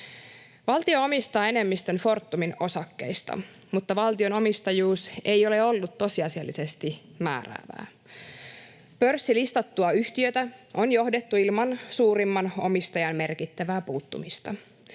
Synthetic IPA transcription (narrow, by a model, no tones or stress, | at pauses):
ʋɑlt̪io̞omist̪ɑːe̞ne̞mːist̪ø̞nfo̞rt̪ːumino̞sɑkːe̞̰jst̪ɑ̰ | mut̪ːɑʋɑlt̪io̞no̞mist̪ɑjuːse̞jo̞le̞olːut̪ːo̞siɑsiɑlːise̞st̪imæ̰ːræ̰ːʋæ̰ː | pørsːilist̪ɑt̪ːuɑyçt̪iøt̪æʔo̞njo̞hdet̪ːuilmɑnsuːɾimːɑno̞̰mist̪ɑjɑnme̞rkit̪ːæʋæːpuːt̪ːṵmist̪ɑ